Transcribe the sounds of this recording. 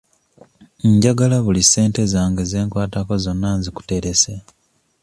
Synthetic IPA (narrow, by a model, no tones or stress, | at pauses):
ɲɟaɡalaβulise̞ːnte̞zaːŋɡeze̞ːŋkwaːtako̞zo̞nːanziku̥te̞ɾese